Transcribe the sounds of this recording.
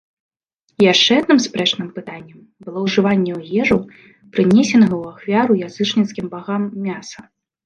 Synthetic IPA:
jaʂt͡ʂɛad̪nɨmspɾɛt͡ʂnɨmpɨt̪anʲːɛm | bɨlˠɔwʐɨvanʲːɛwɣʲɛʐɐ | pɾɨnʲɛsʲɛnɐɣɐwaxvʲaɾujazɨt͡ʂnʲit̪skʲimbaɣamːʲasɐ

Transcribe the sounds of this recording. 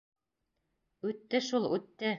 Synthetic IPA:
ʉt̪ːɘʃulˠʉt̪ːɘ

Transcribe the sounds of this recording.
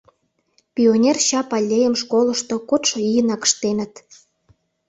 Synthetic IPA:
pʲionʲerɕɑpɑlʲːejə̆mʃkolə̆ʃt̪okot̪ʃoijənɑkə̥ʃt̪enə̆t̪

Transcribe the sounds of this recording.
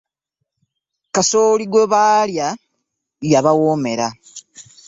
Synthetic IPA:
kasoːliɡweβaːlja | jaβawoːme̞ɾa

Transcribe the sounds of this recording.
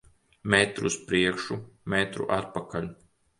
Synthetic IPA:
mʲɛt̪ɾṵspɾiɛkʃumɛt̪ɾṵʔat̪̚pakʰalʲ

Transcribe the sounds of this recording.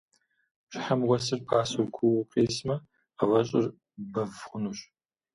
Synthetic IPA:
ɕɪħamʁʷɔsɨrpʰaːsuɡʷʰʊwʊqʼeːsmɐ | awɐɕʼɪr | bɐvχʷʊnuːɕ

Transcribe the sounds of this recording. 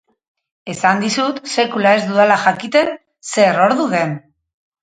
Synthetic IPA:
e̞sand̪isut̪se̞kulae̞zd̪uðalaxakit̪e̞n | se̞ɾo̞ɾðuðe̞n

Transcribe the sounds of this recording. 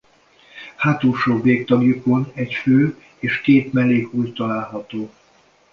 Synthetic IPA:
haːt̪uːʃoːbeːk̚t̪ɒɡjuko̞nɛcføː | eːʃkeːt̪mɛleːɡuːjt̪ɒlaːlɦɒt̪oː

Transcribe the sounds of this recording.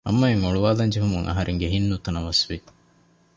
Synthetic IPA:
ɐ̰mːɐimoɭuʋaːd̪ɐnd͡ʒeɦumuŋʔɐ̰ɦɐɾʔeŋɡeɦinːut̪ɐnɐʋɐsʋi

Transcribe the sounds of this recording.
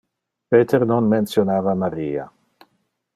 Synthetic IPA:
peːt̪ʰeɾnonmensjonaːvamaɾiːa̰

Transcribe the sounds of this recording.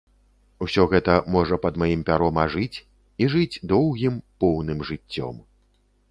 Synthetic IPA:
usʲɔɣɛt̪ɐmɔʐɐpɐd̪majimpʲaɾɔmɐʐɨt͡sʲ | iʐɨd͡zʲd̪ɔwɣʲimpɔwnɨmʐɨt͡sʲːɔ̰m

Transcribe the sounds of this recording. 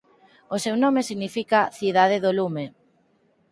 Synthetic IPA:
osewnɔmesiɣnifikaθiðaðeðolume

